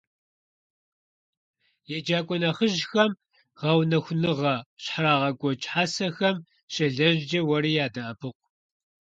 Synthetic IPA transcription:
jɛd͡ʒaːkʷʼɔnɐχəʒxɐm | ʁɐwnɐxʷʊnɨʁɐɕħraːʁɐɡʷʼɔt͡ʃʼħaːsɐxɐm | ɕʼɐɮɐʑd͡ʒɐwɐɾiːjaːdɐʔɐpʰɨqʷ

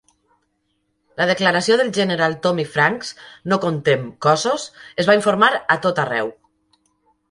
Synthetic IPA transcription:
ləð̞eklaɾasioðəlˠʒeneɾalˠt̪omifɾaŋksnokont̪emkɔzosezβaiɱfoɾmaɾat̪ot̪arɛ̰w

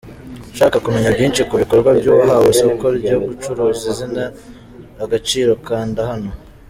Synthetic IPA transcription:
ʃaːkakume̞ɲabɟiːnʃikuβiko̞ɾɡwabɟuːβaɦaβusoβukoɾbɟoɡut͡ʃuɾuːzizinaː | ɡat͡ʃiːɾo̞kaːndahano̞

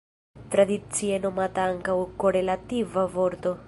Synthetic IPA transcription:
t̪ɾad̪it̪sienomat̪aŋkaukːoɾelat̪ivavoɾt̪o

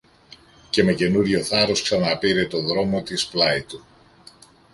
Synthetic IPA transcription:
ce̞me̞ce̞nuɾʝo̞θɐɾo̞sksɐnɐpiɾe̞t̪o̞ðɾo̞mo̞t̪isplɐit̪u

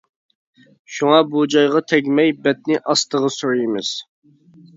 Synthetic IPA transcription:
ʃuŋɑbud͡ʒɑjʁɑt̪ʰɛɡʲmɛjbɛt̪̚nɪʔɑst̪əʁəsuɾjɪmɪz̥

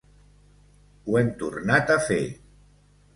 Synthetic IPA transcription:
uɛnt̪uɾnat̪afḛ

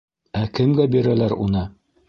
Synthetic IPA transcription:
ækɘ̆mɡæbiɾælæɾṵnɤ

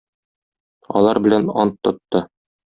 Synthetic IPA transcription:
ɒ̰lˠɑɾbɘ̆lænɒnt̪ːŏt̪ːɤ

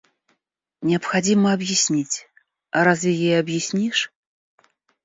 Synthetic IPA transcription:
nʲɛɐpxad͡zʲimɐɐbjisʲnʲit͡sʲ | ɐɾazjʲajɛjɐbjisʲnʲiʂ

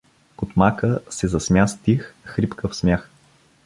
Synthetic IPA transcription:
kʊt̪makəsɛzɐsmʲjast̪ixxɾipkəfsmʲax

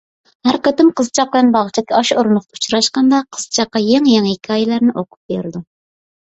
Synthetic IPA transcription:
hæɾqɑt̪ɪmqʰəzɨt͡ʃʰɑq̚bɪlɛnbɑʁt͡ʃʰɛkʲʰiɑʃoɾnʊχt̪ut͡ʃɾɑʃqɑnd̪ɑqʰəz̥t͡ʃʰɑqːɑjɛŋjɛŋikʲʰːɑːjɪlæɾnɪʔoqʰʊ̥p̚beɾɪd̪u

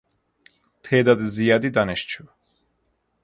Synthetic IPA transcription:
t̪ʰeːd̪ɑd̪izijɑːd̪id̪ɑneʃt͡ʃʰu

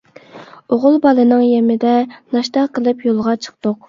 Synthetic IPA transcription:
oʁʊlˠbɑlˠɨnɨŋjɛmɪd̪ɛnɑʃt̪ɑqəlˠɨpjolˠʁɑt͡ʃʰə̥q̚t̪oq̚

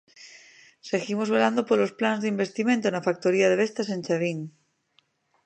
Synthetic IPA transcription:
seɣimozβeland̪opolosplanzðeimbe̞st̪imẽnt̪onafak̚t̪oɾiað̞eβ̞est̪asẽnʲt͡ʃaβiŋ

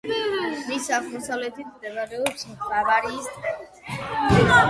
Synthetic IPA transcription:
ɾisaʁmɔsavlɛt̪ʰit̪ʰmd̪ɛvaɾɛɔpsmt̪ʰlavaɾiːsɛv

